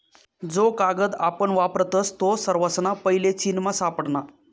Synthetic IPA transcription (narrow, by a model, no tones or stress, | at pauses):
d͡zokaɡəd̪apəɳʋapɾət̪əst̪osəɾʋəsnapəɦilet͡ɕinmasapəɽɳa